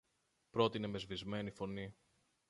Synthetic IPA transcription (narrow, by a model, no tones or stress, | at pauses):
pɾo̞t̪ine̞me̞zvizme̞nifo̞ni